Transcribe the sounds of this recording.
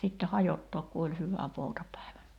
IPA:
sitːe hɑjotːoːk ku olʲ hyʋæ poutɑpæˑiʋæ

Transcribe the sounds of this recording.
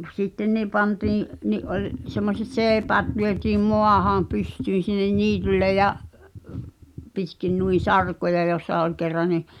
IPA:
sitːen̆ ni pɑntiːĩʔ niʔ ʔolʲ semːoset seːpæːt lyøtiːm moɑhɑ̃ː pystyːn̞ sinːen niːtylːe jɑʔ pitkin nui sɑrkojɑ joˑsːɑ ol kerːɑ ni

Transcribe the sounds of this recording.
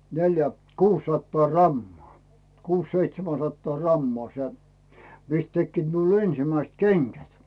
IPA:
neljæ kuːsːɑtːɑː rɑmːŏɑˑ kuːs seitsemæn̞ sɑtːɑː rɑmːŏɑˑ se mist tekːiːt miul ensĭmæist keŋɡ̊æt

